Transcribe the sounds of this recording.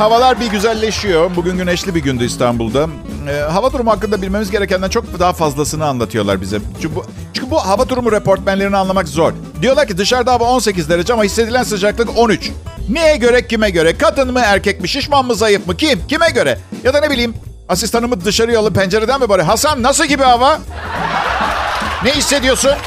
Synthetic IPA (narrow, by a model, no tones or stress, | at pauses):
havalˠaɾbiɟyzælʲːe̞ʃijo̞buɟynɟynɛʃlʲibiɟynd̪yist̪ʰanbṵlˠd̪aː | ɦavat̪ʰuɾumhakːɯnd̪abilʲme̞mizɟe̞ɾɛcænd̪ænt͡ʃʰo̞k̚d̪aɦafazlˠasɯnɯanlˠat̪ʰɯjo̞lˠa̰ɾbḭzɛt͡ʃʰybu | t͡ʃʰyɲcʰʲybuɦavat̪ʰuɾumuɾepo̞ɾt̪̚mænlʲe̞ɾinianˠamakzo̞ɾ | d̪ijoaɾcid̪ɯʃaɾd̪aɦavao̞nse̞c̬izd̪eɾad͡ʒɛamahisːed̪ilʲænsɯd͡ʒaklˠɯko̞nyt͡ʃ | nijɛɟø̞ɾɛcʰːimɛɟø̞ɾɛkʰat̪ɯnmɯæɾcɛc̚miʃiʃmanmɯzajɯfmɯcʰimcimɛɟø̞ɾɛjad̪ane̞bilʲiːm | asist̪ʰanɯmɯd̪ɯʃaɾɯjalˠɯmpænd͡ʒe̞ɾed̪ænbibaɾɯɦasannas̬ɯlˠɟibihava | nɛhisːe̞d̪ijo̞sun